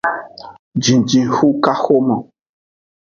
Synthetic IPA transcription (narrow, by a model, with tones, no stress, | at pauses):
d͡ʒĩ˨d͡ʒĩ˨xu˦ka˦xo˦mɔ̃˨